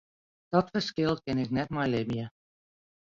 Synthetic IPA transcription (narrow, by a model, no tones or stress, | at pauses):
d̥ɔtfəskɪlˠkɪnɪk̚nɛtmajlɪbjə